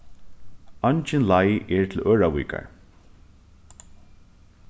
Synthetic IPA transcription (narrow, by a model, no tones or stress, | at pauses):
ɑnt͡ɕɪnlajʔɛɹt̪ʰɪlʔœːɹawḭːka̰ɹ